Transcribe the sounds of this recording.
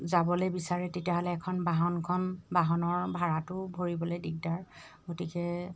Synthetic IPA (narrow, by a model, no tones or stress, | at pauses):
zabɔlejbisaɹɛtetijaɦɔlɛːkʰɔnbaɦɔnkʰɔnbaɦɔnɔɹbʱaɹatʊbʱoɹibɔlojdiɡ̚daɹ | ɡotikɛ